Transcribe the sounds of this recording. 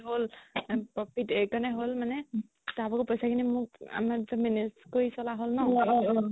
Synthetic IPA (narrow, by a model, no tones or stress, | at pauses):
ɦolpɹɔpʰitekanɛɦolmanɛ | tabɔkɔpojsakʰinimʊk̚a̰maminiskoɹisɔlaɦolnɔ